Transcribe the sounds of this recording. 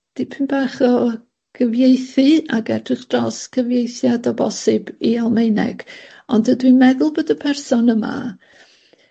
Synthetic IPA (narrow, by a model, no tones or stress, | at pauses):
d̥ipʰɨnbaːχɔ | ɡ̥əvjejθɨaɡɛdrɪχd̥rɔsɡ̥əvjejθjadɔbɔsɨbialˠmejnɛ̰ɡ̥ | ɔndədwimɛðʊlˠboːdəpʰɛrsɔnəma̰